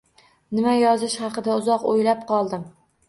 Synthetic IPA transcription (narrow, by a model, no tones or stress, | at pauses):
nɪmajɒzɪʃχɑqɨd̪aʊzɒqo̰jlapqʰɒlˠd̪ɪm